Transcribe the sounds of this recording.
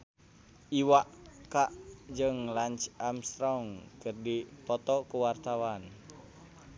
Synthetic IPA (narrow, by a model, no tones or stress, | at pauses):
ʔiwaʔkaʔd͡ʒəŋlant͡ʃamst̪ɾɔŋkərdipɔt̪ɔkuwart̪awan